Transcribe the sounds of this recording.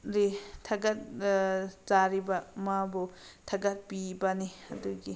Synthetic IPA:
ɾitʰaɡat̚ | zaɾibamabɔtʰaɡat̚pibaniɐduɡi

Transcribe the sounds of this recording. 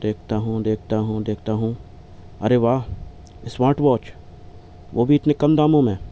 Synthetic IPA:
d̪eːkʰt̪aɦũd̪eːkʰt̪aɦũd̪eːkʰt̪aɦũ | ɐɾeʋaː | ɪsʋaːʈʋɔːt͡ʃ | ʋoːbʱiɪt̪nekɐmd̪aːmõmẽ

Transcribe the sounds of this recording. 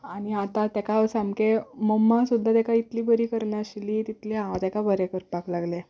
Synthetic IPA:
añiat̪at̪akasamkeməmːasud̪ʱːat̪akait̪liːbəɾiːkəɾɳjaɕlit̪it̪leãat̪ɛkabəɾekəɾpaklaɡle

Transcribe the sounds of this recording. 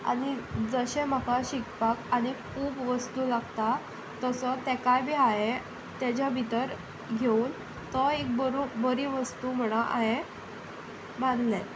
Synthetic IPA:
a̰ɽ̃id͡zəɕem̤əkaɕikpakaɽ̃ikʰuːbʋəst̪uːlaɡt̪a | t̪əsɔt̪ɛkajbʱiːaɦe | t̪at͡ɕabʱit̪əɾ | ɡʱeuːn | t̪əek̚bəɾobəɾiːʋəst̪uːm̤əɽ̃aʔa̰ɦe | band̪le

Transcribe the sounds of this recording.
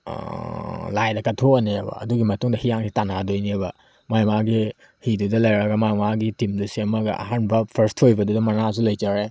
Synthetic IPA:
lajdɐkɐtʰoneɐbɐ̰ɐ̰duɡimɐtuŋdɐhijaŋsitanadojnibɐ | majmaɡi | hidudɐlɐjɾɐɡɐmajmaɡitimdusiɐmɐɡɐ̰ʔa̰ɦanbɐpʰɐɾstʰhojbɐdudɐmɐnazulɐjd͡ʒaɾe

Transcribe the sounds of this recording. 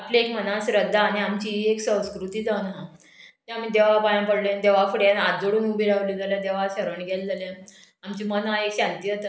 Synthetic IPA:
apleekm̤ənasɾəd̪ʱːaːñiamt͡ɕiːeksə̃w̃skɾut̪iːd͡zaʋnaɦã | t̪eamiːd̪eʋapajãpəɽlẽnd̪eʋafuɽjanat̪d͡zoɽuːnubʱiɾaʋliːd͡zaljãd̪eʋaɕəɾəɳɡɛld͡zaljã | amt͡ɕiːmənaekɕãnt̪iːɦot̪ə

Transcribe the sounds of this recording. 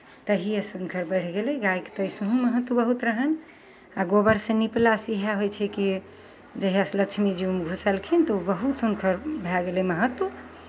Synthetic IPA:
t̪əɦiesunkʰəɾbəɽ̤ɡelɛɡajkt̪əisuɦũməɦət̪wubəɦut̪ɾəɦən | aɡobəɾsẽniplasiɦaɦojt͡ʃʰɛki | d͡ʒəɦijaslət͡ʃʰmid͡ʒiumɡʱusəlkʰint̪əubəɦut̪unkʰəɾbʱɛɡelɛməɦət̪u

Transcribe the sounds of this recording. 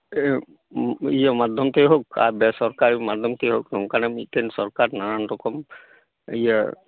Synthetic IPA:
ijəmad̪ʱjɔmt̪eɦoka̰bɛsɔɾkaɾimad̪ʱjɔmt̪eɦoknɔw̃kanamḭtensɔɾkaɾnaɾanɾɔkɔm | ijə

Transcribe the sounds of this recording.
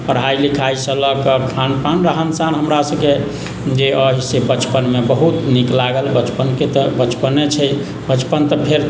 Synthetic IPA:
pəɾɦajlikʰaisə̃ləkəkʰanpanɾəɦənsanɦəmɾasə̃ke | d͡ʒeəɦisebət͡ʃpənmebəɦut̪niklaɡəlbət͡ʃpənket̪əbət͡ʃpənet͡ʃʰɛ | bət͡ʃpənt̪əpʰeɾ

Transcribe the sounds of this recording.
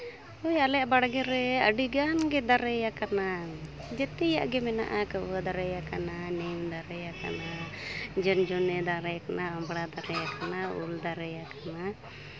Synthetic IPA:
ɔjalɛjaʔbaɽɡɛɾɛə̰ɖiɡanɡɛd̪aɾɛjakana | d͡ʒɛt̪ɛja̰ʔɡɛmɛna̰ʔakəad̪aɾɛjakananɛmd̪aɾɛjaka̰nad͡ʒɔnd͡ʒɔnɛd̪aɾɛjakanaɔmbɽad̪aɾɛjakanaṵld̪aɾɛjakana

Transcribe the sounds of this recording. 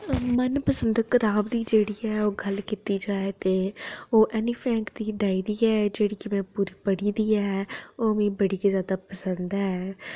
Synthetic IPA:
mənpəsə̃nd̪kɪt̪aːbd̪iːd͡ʒeːɽiːɛːoːɡəlkit̪iːd͡ʒaːeːt̪eːoːʔɛːniːpʰɛ̃ːŋkd̪iːɖ̪aːiːd̪iːɛːd͡ʒeːɽiːkɪmɛ̃ːpuːɾiːpəɽiːd̪iːɛːoːmẽːbəɽiːkːzjaːd̪aːpəsənd̪ɦɛː

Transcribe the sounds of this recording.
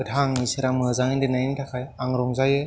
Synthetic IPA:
ɯtʰaŋisɯɾamɯzaŋɯndɯnajnitʰakʰajaŋɾɔŋzajɯ

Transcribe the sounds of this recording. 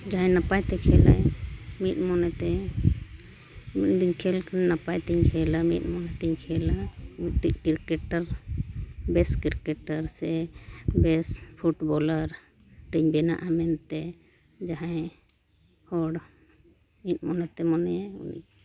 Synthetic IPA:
d͡ʒaɦãjnapajt̪ɛkʰɛla̰jmit̪̚ˀmɔnɛt̪ɛ | mit̪̚d̪iɲkʰɛlkanɛnapajt̪ɛɲkʰɛlamḭt̪̚ˀmɔnɛt̪ɛɲkʰɛlamiʈiʔkiɾkɛʈaɾ | bɛskiɾkɛʈaɾsɛbɛspʰuʈbɔlaɾ | ʈɛɲbɛna̰ʔamɛnt̪ɛ | d͡ʒaɦãj | hɔɽ | mit̪̚mɔnɛt̪ɛmɔnɛjaṵnḭɲ

